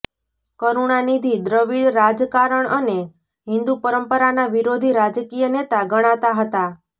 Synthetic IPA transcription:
kəɾuɳ̃anid̪ʱid̪ɾəʋiɭɾad͡ʒkaɾəɳʔəne | ɦɪ̃nd̪upəɾəmpəɾanaʋiɾod̪ʱiɾad͡ʒkijənet̪aɡəɽ̃at̪aɦət̪a

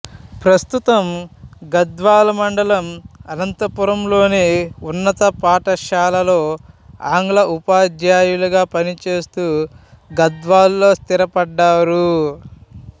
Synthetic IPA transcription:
pɾɐst̪ut̪ɐmɡɐd̪ʋaːlɐmɐɳɖɐlɐmɐlɐnt̪ɐpuɾɐmlo̞ːneːunːɐt̪ɐpaːʈɐʃaːlɐlo̞ːa̰ːŋɡlɐʔupaːd̪jaːjuluɡaːpɐnit͡ʃe̞ːst̪uːɡɐd̪ʋaːlːo̞ːst̪iɾɐpɐɖːaːɾu

